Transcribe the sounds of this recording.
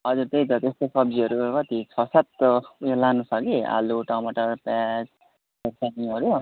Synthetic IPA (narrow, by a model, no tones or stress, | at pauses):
ʌd͡zuɾt̪ejd̪ʌt̪est̪ʌsʌb̚d͡ziʌɾukʌt̪it͡sʰʌsat̪jelanusʰʌkia̰luʈamʌʈʌrpɛd͡z | beksaniɦʌɾu